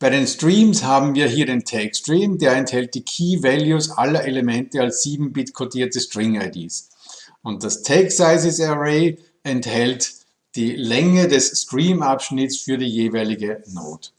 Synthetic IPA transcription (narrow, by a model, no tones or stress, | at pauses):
b̥aɪɾeːnstʁ̥iːmshaːbm̩viːɐɦiːɐɾeːntʰɛkstʁ̥iːmdeːɐɛnthɛlt̚d̥iːkʰiːvɛljusʔalɐʔeləmɛntəalsz̥iːbm̩bɪtkʰotiːɐtəstʁ̥ɪŋaɪdḭːs | ʊnt̚d̥astʰɛksaɪsɪsɛʁeɪ | ɛnthɛlt | d̥iːlɛŋədɛsːkʁiːmapʃnɪtsfyːɐɾiːjeːvaɪlɪɡəno̰ːt